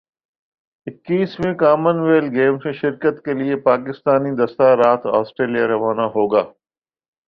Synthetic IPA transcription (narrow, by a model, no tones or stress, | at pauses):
ɪkːiːsmẽkaːmənʋeːlɡeːmsẽʃɪɾkət̪keliepaːkɪst̪aːnid̪ɐst̪aɾaːt̪ʰaːsʈɾeːlijaɾɐʋaːnaɦoːɡaː